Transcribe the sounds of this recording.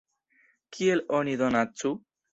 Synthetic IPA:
kʰielɔnid̪ɔnatːt͡sʰːu

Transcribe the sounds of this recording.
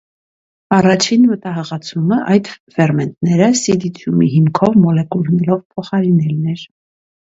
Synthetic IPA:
ɑrɑt͡ʃʰinmət̪ɑɦɑʁɑt͡sʰuməʔɑjd̪fɛrmɛnt̪̚nɛɾəsid̪it̪ʰjumḭɦimkʰɔvmɔlɛkulnɛlɔvpʰɔχɑɾinɛlnɛɾ

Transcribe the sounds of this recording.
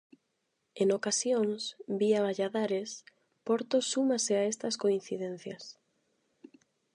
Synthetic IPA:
enokasjoŋsbiaβaʎaðaɾes | pɔɾt̪osːumaseaest̪ɐskoin̟θiðen̟θjɐs

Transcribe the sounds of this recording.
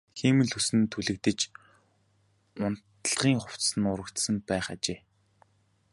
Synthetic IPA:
xiːmɘ̆ɮusɘ̆nt̪ʰuɮɘ̆k̚t̪ɘ̆t͡ɕ | ʊn̥t̪̆ɮʁ̥iːŋχʊw̥t̪sɘ̆nʊɾə̆kt̪sə̆mpæːχat͡ɕeː

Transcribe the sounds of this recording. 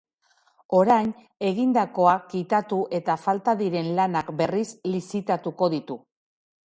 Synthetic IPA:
o̞ɾajn | e̞ɣind̪ako̞akːit̪at̪uʔe̞t̪afalt̪aðiɾe̞nlanakbe̞rislisit̪at̪uko̞ðit̪u

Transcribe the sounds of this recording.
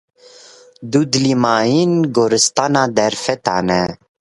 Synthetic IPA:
d̪ud̪limaːjinɡoɾɨst̪ɑːnɑːd̪ɛɾfɛt̪ɑːnɛ

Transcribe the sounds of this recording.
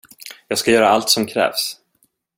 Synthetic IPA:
jɑːɡskajœːɾaalt̪sɔmkʰɾɛ̰ːvs

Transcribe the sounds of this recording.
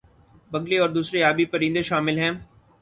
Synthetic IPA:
bɐɡleɔːɾd̪uːsɾeaːbipɐɾĩnd̪eʃaːmɪlɦɛ̃ː

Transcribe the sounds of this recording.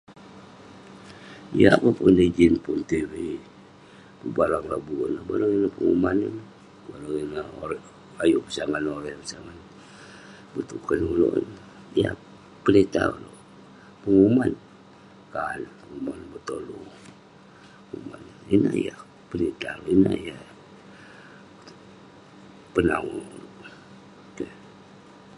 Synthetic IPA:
ijapapundəd͡ʒinpunt̪iɾi | bubalaŋlabunabaɾaŋinahpəŋumanən | baɾəŋinao | ajuʔpə̥saŋanoɾɛpəsaŋan | bət̪ukənulo̰ʔn | ija | pənit̪auloʔ | pəŋuman | kanpəŋumanbət̪olu | ŋumanina̰ḭja | pənit̪aloʔinaija | pənaŋuloʔ | kə

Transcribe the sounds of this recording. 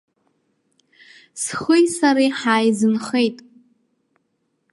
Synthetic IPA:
sχʷʊjsaɾiħaːjzɨmχejtʼ

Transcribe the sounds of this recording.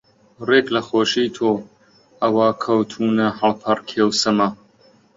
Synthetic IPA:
reːklɐxoːʃiːt̪ʰoː | ɐwaːkʰɐwt̪ʰuːnɐhɐlpʰɐrkʰeːwsɐmɐ

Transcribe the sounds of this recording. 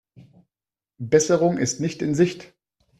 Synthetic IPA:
bɛsəʁʊŋɪstnɪçtɪnzɪçt

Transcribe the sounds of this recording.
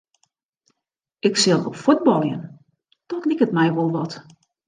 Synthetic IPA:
ɪksɪlˠɔ̰pfud̚bɔlˠjən | d̥ɔtlikətmɛjʋolˠʋɔt

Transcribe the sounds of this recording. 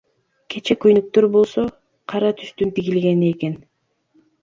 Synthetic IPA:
kʰe̞t͡ʃe̞køjnyk̚t̪øɾbo̞lˠso̞ | qʰɑɾɑt̪ʰyst̪ynt̪iɡilɡe̞nieke̞n

